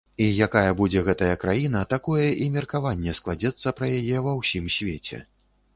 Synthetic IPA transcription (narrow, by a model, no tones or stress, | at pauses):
ijakajɐbud͡zʲɛɣɛt̪ɐjɐkɾajinɐt̪akɔjɛʔimʲɛrkavanʲːɛsklˠad͡zʲɛt̪sːɐpɾɐjajɛvɐwsʲimsʲvʲet͡sʲɛ̰